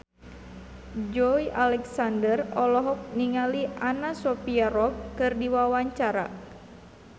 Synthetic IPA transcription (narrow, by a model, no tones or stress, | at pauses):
d͡ʒɔjalɛksandərɔlɔɦɔk̚niŋaliʔanasɔpiaɾɔp̚kɨrdiwawaɲt͡ʃaɾa̰